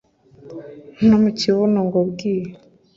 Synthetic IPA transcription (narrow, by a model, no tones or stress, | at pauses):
n̥omuciβonoŋɡobɡiːje